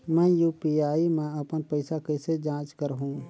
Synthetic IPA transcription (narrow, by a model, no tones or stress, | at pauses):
mɛ̃ːjuːpiaːimẽəpənpəɪsakəɪsed͡ʒãːt͡ʃkəɾɦũ